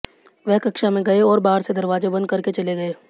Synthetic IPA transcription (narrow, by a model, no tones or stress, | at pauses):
ʋɛɦkɐkʃamẽɡɐeɔːɾbaːɾsed̪ɐɾʋaːzebɐ̃nd̪̚kɐɾket͡ʃɐleɡɐeː